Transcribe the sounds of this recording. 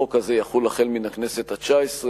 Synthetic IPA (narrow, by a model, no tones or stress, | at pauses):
okazejaχulaχelminakne̞se̞t̪at͡ʃaesʁe